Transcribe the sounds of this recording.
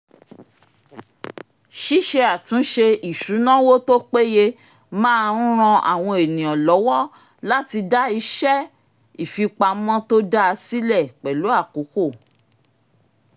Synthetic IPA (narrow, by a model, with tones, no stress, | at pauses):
ʃi˦ʃe˧a˨tũ˨˦ʃe˧i˨ʃu˨˦nã˦wo˦to˦k͡pe˦je˧ | mãː˦˧˦ɾ̃ã˧ʔa̰˨w̃ɔ̃˧e˨nĩ˨ɔ̃˨lɔ˨˦wɔ˦ | la˦ti˧da˦i˧ʃɛ˦ | i˨fi˧k͡pa˧mɔ̃˦to˦da˦a˧si˦lɛ˦˨k͡pɛ˨lo˨˦a˦˨ku˨˦ko˦˨